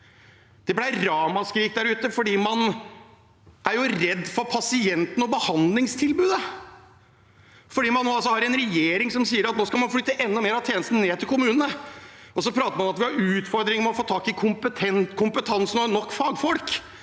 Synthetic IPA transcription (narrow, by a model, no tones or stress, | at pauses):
d̪̥ɛblæɪɾɑːmɑskɾiːk̚d̪æɾʉːt̪əfɔɖiːmɑn | ʔæɾjʊɾɛd̪ːfɔɾpʰɑsɪɛnt̪ənɔbəhɑnd̪lɪŋst̪ʰɪlbʉːd̪ə | fɔɖiːmɑnːoːɑlsɔhɑɾɪɛnɾɛjeːɾɪŋsɔmsiːəɾɑt̪noːskɑlmɑnfɽʏt̪ːəʔɛnːɔmeːɾɑt̪ʰjeːnəst̪n̩əneːt̪ʰɪlkʊmʉːnənəʔɔsɔpʰɾɑːt̪əɾmɑnɔmɑt̪ʋɪhɑɾʉːt̪fɔɾd̪ɾɪŋəmɛɔfoːt̪ʰɑːkɪkʰʊmpət̪ʰɛnt̪kʰʊmpət̪ʰɑnsnɔnɔkːfɑːɡfɔlk